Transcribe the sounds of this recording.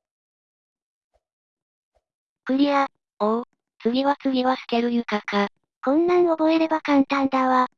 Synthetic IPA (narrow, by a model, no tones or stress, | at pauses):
kɯ̟ɾʲia | oɯ | t͡sɨɡʲiβat͡sɨmʲiβasɨ̥k̪e̞ɾɯ̟jɯ̟kaka | kõ̞nːãɲ̟o̞bo̞e̞ɾe̞bakãnt̪ãnd̪ãβa